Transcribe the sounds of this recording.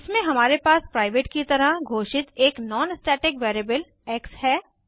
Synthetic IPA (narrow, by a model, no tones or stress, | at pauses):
ɪsmẽɦɐmaːɾepaːspɾaːɪʋeːʈkit̪ɐɾəɡʱoːʃɪt̪eːknɔːnsʈɛːʈɪkʋeːɾeːbəl | ɛːkshɛː